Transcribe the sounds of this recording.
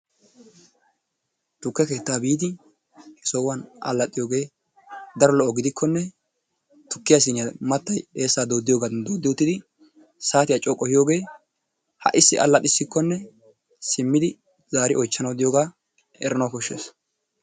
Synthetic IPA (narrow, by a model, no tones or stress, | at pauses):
t̪ʊkːɛke̞ːt̪ːaːbiːd̪ɪ | sɔwɐnʔɐ̰lːɐt̪ʼːɪjo̞ːɡe̞ː | d̪ɐɾɔlɔʔɔɡɪd̪ɪkːɔnːɛ | t̪ʊkːɪjas̬ɪnɪjamɐt̪ːɐje̞ːsːaːd̪oːd̪ːɪjoːɡad̪oːd̪ːɪʊt̪ːɪd̪ɪ | saːt̪ɪjat͡ʃʼɔkʼːɔhɪjo̞ːɡe̞ː | hɐ̰ʔɪsːɪʔɐ̰lːɐt̪ʼːɪsːɪkːɔnːɛ | sɪmːɪd̪ɪ | z̥aːɾɪʔɔjt͡ʃːɐnɐwd̪ɪjoːɡaː | ɛɾɐnɐkɔʃːḛːs